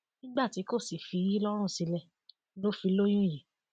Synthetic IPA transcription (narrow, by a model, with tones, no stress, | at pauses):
nĩ˦ɡ͡ba˦˨ti˨˦ko˦˨si˨fi˨˧˦ji˦lɔ˦ɾ̃ũ˦˨si˧lɛ˧ | lo˦fi˧lo˦j̃ũ˦˨ji˨